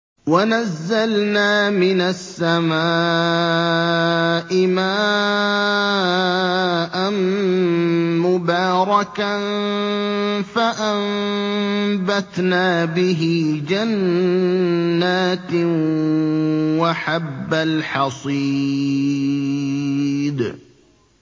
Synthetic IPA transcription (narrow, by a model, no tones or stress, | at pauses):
wanazːalnaːmɪnasːamaː | ʔɪmaː | ʔan | mʊbɑːɾˤɑkan | faʔamm | bat̪naːbɪɦɪd͡ʒan | aːt̪ | waħabːalħɑsˤi | d̪